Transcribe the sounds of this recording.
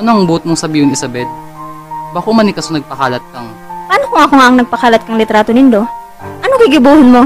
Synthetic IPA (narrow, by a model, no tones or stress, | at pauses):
ʔɐnoʔɐŋbuːt̪̚moŋsɐbiːhʊŋɪsɐbɛt̪̚ | baːkomɐnikɐsonɐɡ̚pɐkaːlɐt̪̚kɐŋ | paːnokʊŋʔɐkoŋaʔɐŋnɐɡ̚pɐkaːlɐt̪̚kɐŋlɪt̪ɾaːt̪onɪnd̪o | ʔɐnokɪɡɪbuːhɪnmo̞